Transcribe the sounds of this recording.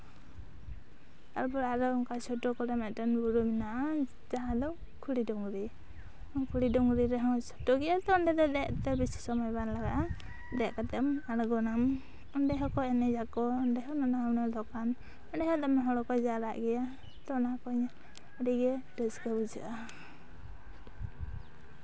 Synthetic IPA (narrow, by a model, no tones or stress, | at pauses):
a̰ɾbɔɾaɾɔɔŋkat͡ʃʰɔʈɔkɔɾɛmɛʈanbuɾuminaʔa | d͡ʒaɦãd̪ɔ | kʰuɽidɔŋɡɾi | ɔkʰuɽidɔŋɡɾiɾɛɦɔ̃t͡ʃɔ̥ʈɔɡɛjat̪ːɳɖɛd̪ɔd̪ɛʔt̪ɛbisi̥sɔmɔjbanlaɡaʔa | d̪ɛʔkat̪ɛmaɾɡɔnam | ɔɳɖɛɦɔkɔɛnɛd͡ʒakɔɔnɖɛɦɔnɔnawnɛd̪ɔkan | ɔɳɖɛɦɔd̪ɛmɛɦɔɽɔkɔd͡ʒaɾaʔɡɛja | t̪ɔnakɔɲ | aɽiɡɛʈəskəbud͡ʒa̰ʔa